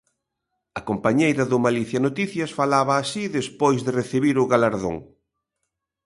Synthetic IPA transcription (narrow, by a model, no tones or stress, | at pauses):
ɐkompaɲejɾɐðʊmaliθjɐnot̪iθjɐsfalaβɐːsiðespojzðɪreθiβiɾʊɣalaɾðo̰ŋ